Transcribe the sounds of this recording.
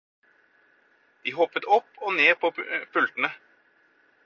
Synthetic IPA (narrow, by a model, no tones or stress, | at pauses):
d̪̥iːɦɔpːət̪ɔpːoːneːpʰoːfʉlt̪n̩ə